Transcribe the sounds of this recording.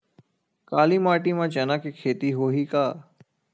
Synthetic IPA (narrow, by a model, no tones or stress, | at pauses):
kaːliːmaːʈiːmãːt͡ʃənaːkekʰeːt̪iːɦoːɦiːkaː